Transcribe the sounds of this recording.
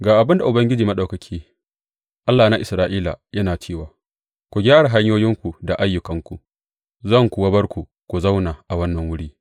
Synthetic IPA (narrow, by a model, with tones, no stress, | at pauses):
ɡaː˨ʔa˨bɪ˦nda˨ʔʊ˨bɐ˦ŋɡʲɪ˦d͡ʒiː˨mɐ˦ɗɐ˨kɐ˨kʲʰiː˦ | ʔa˦lːaː˨na˦ʔɪ˨sɾaː˦ʔiː˦la̰˨jɐ˦naː˨t͡ʃeː˦˨waː˨ | kʷu˨ɡʲaː˦ɽa˨ɦa˦ɲjoː˦jɪ˦ŋkʷu˨da˨ʔa˦jːʊ˨kɐ˦ŋkʷu˨ | zɐ˦˨ŋkʷu˨wɐ˦bɐ˦rkʷu˨ | kʷu˨zɐ˦wnaː˨ʔa˨wɐ˦nːɐ˨ŋwʊ˦ɽiː˦